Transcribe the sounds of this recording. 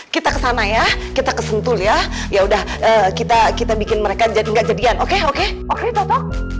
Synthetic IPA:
kit̪akəsanajahkit̪akəsənt̪ʊljah | jaudah | ʔəːkit̪akit̪abikɪnməɾekad͡ʒaŋɡaʔd͡ʒadianokeoke | oket̪ɔht̪ɔh

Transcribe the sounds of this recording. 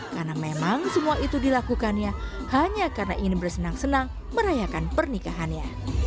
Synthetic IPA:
karnamemaŋsəmuaʔit̪udilakukanja | haɲakarnaʔinibərsənaŋsənaŋ | məɾajakanpərnikaɦanɲa

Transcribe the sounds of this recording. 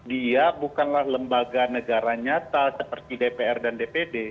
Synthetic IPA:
diabukanlahləmbaɡanəɡaɾaɲat̪asəpərt̪idepeɛrdandepede

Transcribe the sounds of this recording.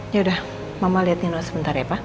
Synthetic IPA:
jaudah | mamaliat̪inosəbənt̪aɾjapa

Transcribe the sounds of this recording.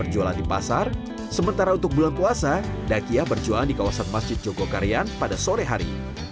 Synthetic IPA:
ərd͡ʒuala̰ndipa̰sar | səmənt̪aɾaunt̪ʊk̚bulanpuasa | dakiahbərd͡ʒualandikawasanmasd͡ʒɪt̪̚d͡ʒoɡokaɾianpadasoɾɛɦaɾḭ

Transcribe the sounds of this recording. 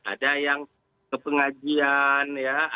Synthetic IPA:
a̰dajaŋ | kəpəŋad͡ʒianja

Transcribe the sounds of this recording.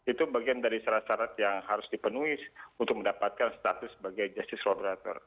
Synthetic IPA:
it̪ubaɡiandaɾisaɾahsaɾat̪jaŋhaɾʊsdipənuiunt̪ʊk̚məndapat̪̚kanst̪at̪ʊsːəbaɡajd͡ʒast̪ɪslobəɾat̪ɔ̰r

